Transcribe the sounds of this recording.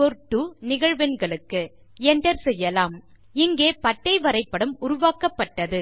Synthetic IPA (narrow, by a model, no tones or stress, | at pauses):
pɔɾʈːɯnɪɣɐɻʋɛnɡɐɭɯkːɯ | ɛɳɖɐɾsɛjːɐlaːm | ɪŋɡeːpɐʈːɐɪʋɐɾɐɪpːɐɽɯmʊɾʊʋaːkɐpːɐʈːɐðɯ